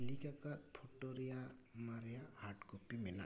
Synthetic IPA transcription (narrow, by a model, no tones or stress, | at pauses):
likakatpʰɔʈɔɾijamaɾjahaʈkopimɛla̰